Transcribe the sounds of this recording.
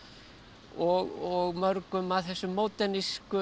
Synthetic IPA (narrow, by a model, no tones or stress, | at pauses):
ɔɣɔɣmœɾkʏmaðθɛsːʏmːowt̪ɛniskʏ